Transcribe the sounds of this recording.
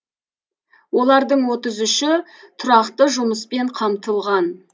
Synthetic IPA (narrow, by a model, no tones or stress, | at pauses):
wo̞lˠɑɾd̪əɴwo̞t̪əzʊʃɪ | t̪ʰʊɾɑqt̪əʒʊməspe̞ɴqʰɑmt̪əlˠʁɑn